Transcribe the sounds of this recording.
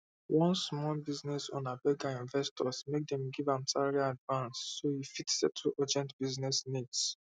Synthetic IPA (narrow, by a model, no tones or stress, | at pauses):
wɔ̃nsmɔlbiznɛsɔ̰̃nabɛɡãĩnvɛstʰɔsmek̚dɛ̃mɡivãmsaɹiadvãnsːoifitsɛtʰuʔad͡ʒɛ̃ntb̥iznɛsnids